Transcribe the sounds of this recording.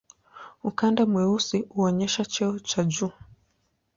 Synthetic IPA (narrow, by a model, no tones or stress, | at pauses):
ukandamwɛusiuɔɲɛʃat͡ʃɛɔt͡ʃad͡ʒuː